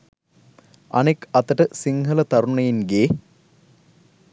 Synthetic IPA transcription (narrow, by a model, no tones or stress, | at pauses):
ɐ̰nikɐt̪ːɐʈːɨsiŋɡʰʱɐlɐt̪ɐɾuɳːɐjinɡeː